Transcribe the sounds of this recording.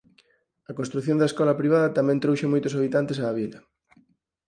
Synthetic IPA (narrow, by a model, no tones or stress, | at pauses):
ɐkonst̪ɾuθjõnd̪ɐeskɔlɐpɾiβaðɐt̪amɛ̃nt̪ɾowʃemojt̪osaβ̞it̪ant̪esaːβ̞ilɐ